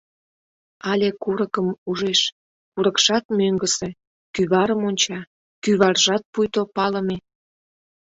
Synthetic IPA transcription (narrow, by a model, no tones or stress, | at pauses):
ɑlʲekuɾəkəmuʒeʃ | kuɾəkʃɑt̪møŋɡəse̽ | kyβɑɾəmonʲt͡ɕɑ | kyβɑrʒɑt̪̚pujt̪opɑlə̆me